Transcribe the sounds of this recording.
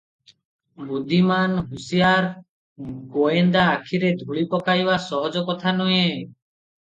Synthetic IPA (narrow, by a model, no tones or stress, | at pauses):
bud̪ʱimanɦusijaɾ | ɡoend̪aːkʰiɾed̪ʱuɭipɔkajbasɔɦɔd͡ʒɔkɔt̪ʰanɔjẽ